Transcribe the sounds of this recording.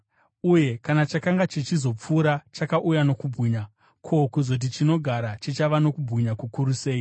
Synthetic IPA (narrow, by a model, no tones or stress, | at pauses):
uje̞kanat͡ʃakaŋɡat͡ʃit͡ʃizo̞p͡fuːɾat͡ʃakaʔujano̞kubʱɣiɲa | kʰo̞kuzo̞t̬it͡ʃino̞ɡʱaɾat͡ʃit͡ʃaʋano̞kubʱiɲakukuɾuse̞ːi